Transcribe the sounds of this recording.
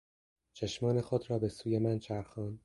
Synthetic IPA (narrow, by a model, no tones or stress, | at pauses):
t͡ʃʰeʃmɒːnexod̪ɾɒːbe̞suːjemænt͡ʃʰæɾxɒːn